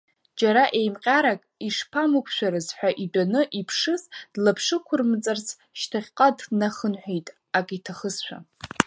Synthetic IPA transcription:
d͡ʒaɾaʔejmqʲʼaɾakʼiʂpʰamɨkʷʰʃʷᶣaɾɨzħʷᶣaʔidʷʼanɨʔipʰʂɨzd̥lapʰʂɨkʷʰʊrmt͡sʼart͡sʰ | ʃtʰaχʲqʼadnaχənħʷᶣejtʼ | akʼitʰaχəzʃʷᶣa̰

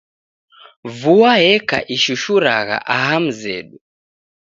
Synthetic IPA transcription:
vuwaɦɛka̰ʔiʃuʃuɾaɣa̰ʔaɦam̩zɛ̰ɗu

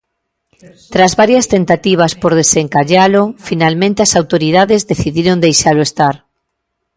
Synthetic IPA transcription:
t̪ɾazβaɾjast̪ent̪at̪iβ̞aspoɾð̞eseŋkaʎalofinalmẽnt̪easawt̪oɾiðaðezðeθiðiɾond̪ejʃaloest̪aɾ

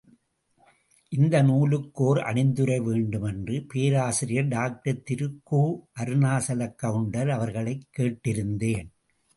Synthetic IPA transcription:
ʔɪnd̪ɐnuːlɯkːoːɾʔɐ̰ɳɪnd̪ɯɾɐɪʋeːɳɖɯmɛndrɯpeːɾaːsɪɾɪjɐɖaːk̚ʈɐɾt̪ɪɾɯkːuːʔɐɾɯnaːsɐlɐkːɐʋɯɳɖɐlɐʋɐɾɣɐɭɐɪkːeːʈːɪɾɯnd̪eːn

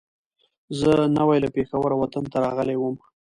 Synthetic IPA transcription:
zənawajlapexawaɾawat̪ant̪aɾɑɣəlewəm

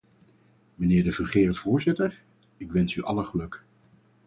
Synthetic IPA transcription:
mənɪːɹdəvərχeːɹətfʊːɹzɪtəɹ | ɪkʋɛnsyʔɑ̰ləχəlɵk

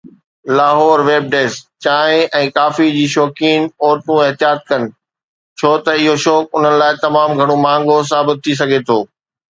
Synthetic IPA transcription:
laːɦɔːɾʋeːb̚ɖeːst͡ɕaːẽʔɛ̃ːkaːfid͡ʑiːʃɔːkiːnɔːɾt̪ũɪɦt̪ɪjaːt̪̚kɐnɪ̆ | t͡ɕʰoːt̪ɐɪɦoʃɔːk̚ʊn̤ənɪ̆laːɪt̪ɐmaːmɡʱɐɽ̃õmãːŋɡos̬aːbɪt̪ʰːis̬ɐɡʱet̪ʰoː

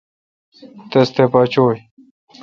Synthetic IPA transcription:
t̪ɐst̪epat͡ɕoːj

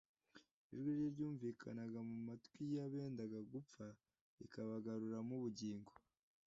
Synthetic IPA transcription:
iʒɡweɾjeɾɟuːɱviːkʰanaɡamumatkwijaβe̞ːndaɡaɡup͡fa | ḭkaβaɡaɾuɾamuβuɟiːŋɡo

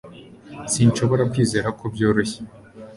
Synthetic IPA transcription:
siːnt͡ʃo̞βo̞ɾakwiːze̞ːɾakobjo̞ːɾoçe

